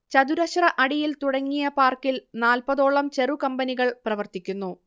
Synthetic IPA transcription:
t͡ɕɐd̪uɾɐɕrɐʔɐɽijilt̪uɽɐŋːijɐpaːrkilnaːlpɐðo̞ːɭːɐmt͡ɕe̞rukɐmbɐniɣɐɭprɐʋɐrt̪ikʲːunːu

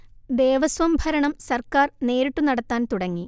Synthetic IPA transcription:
d̪e̞ːʋɐsʋɐmbʱɐɾɐɳɐmsɐrkaːrne̞ːɾiʈːunɐɽɐt̪ːaːnt̪uɽɐŋːi

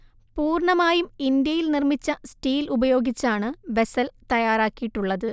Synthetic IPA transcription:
puːrɳɐmaːjumind̪jɐjilnirmit͡ɕːɐsʈiːlubɐjo̞ːɡit͡ɕːaːɳɨʋe̞sɐlt̪ɐjaːɾaːkːijiʈːuɭːɐðɨ

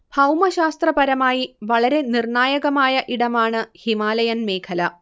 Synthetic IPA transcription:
b̥ʱɐwmɐɕaːst̪rɐpɐɾɐmaːjiʋɐɭɐɾe̞nirɳaːjɐɣɐmaːjɐʔiɽɐmaːɳɨhimaːlɐjɐnme̞ːkʰɐlɐ

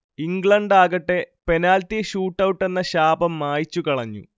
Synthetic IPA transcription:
iŋɡɭɐɳɖaːɣɐʈːepe̞naːlt̪iɕuːʈːɐwuʈːe̞nːɐɕaːbɐmːaːjit͡ɕːukɐɭɐɲːṵ

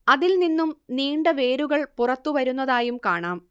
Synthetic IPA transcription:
ɐðilninːumniːɳɖɐʋeːɾuɣɐɭpurɐt̪ːuʋɐɾunːɐðaːjumkaːɳaːm

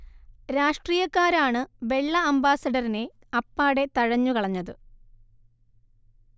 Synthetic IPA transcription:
ɾaːʂʈriːjɐkːaːɾaːɳɨʋe̞ɭːɐɐmbaːsɐɖɐrine̞ | ɐpːaːɽe̞t̪ɐɻɐɲːukɐɭɐɲːɐðɨ

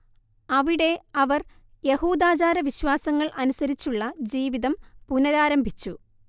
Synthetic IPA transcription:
ɐʋiɽe̞ɐʋɐr | je̞huːd̪aːt͡ɕaːɾɐʋiɕwaːsɐŋːɐɭʔɐnusɐɾit͡ɕːuɭːɐd͡ʑiːʋiðɐmpunɐɾaːɾɐmbʱit͡ɕːu

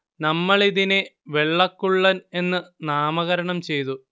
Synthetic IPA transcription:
nɐmːɐɭiðineʋe̞ɭːɐkːuɭːɐne̞nːɨnaːmɐɣɐɾɐɳɐmt͡ɕe̞jt̪u

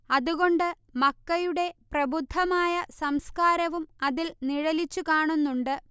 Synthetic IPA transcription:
ɐðuɣo̞ɳɖɨ | mɐkːɐjuɽe̞prɐbud̪ʱːɐmaːjɐsɐmskaːɾɐʋumɐðilniɻɐlit͡ɕːukaːɳunːuɳɖɨ

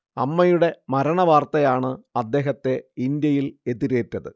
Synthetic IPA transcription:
ɐmːɐjuɽe̞mɐɾɐɳɐʋaːrt̪ɐjaːɳɨɐd̪ːe̞ːɦɐt̪ːe̞ind̪jɐjile̞ðiɾeːtːɐðɨ

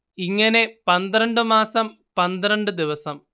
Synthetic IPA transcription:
iŋːɐne̞pɐnd̪rɐɳɖɨmaːsɐm | pɐnd̪rɐɳɖɨd̪iʋɐsɐm

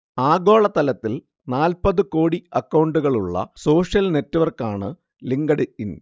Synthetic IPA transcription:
aːɡo̞ːɭɐt̪ɐlɐt̪ːil | naːlpɐðɨko̞ːɽiɐkːɐwɳɖuɣɐɭuɭːɐ̰so̞ːʂjɐlne̞tːɨʋɐrkaːɳɨ | liŋɡɐɽɨin

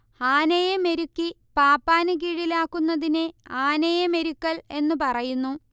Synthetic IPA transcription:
haːnɐjemeɾukːi | paːpːaːnɨk̬iɻilaːkːunːɐðineaːnɐjɐme̞ɾukːɐɭe̞nːupɐrɐjunːu

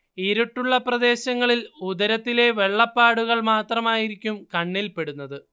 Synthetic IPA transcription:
iɾuʈːuɭːɐprɐd̪e̞ːɕɐŋːɐɭilud̪ɐɾɐt̪ːile̞ʋe̞ɭːɐpːaːɽuɣɐɭmaːt̪rɐmaːjiɾikʲːumkɐɳːilpe̞ɽunːɐðɨ

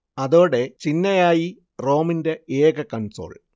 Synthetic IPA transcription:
ɐðoːɽe̞t͡ɕinːɐjaːji | ro̞ːminde̞eːɡɐkɐnso̰ːɭ

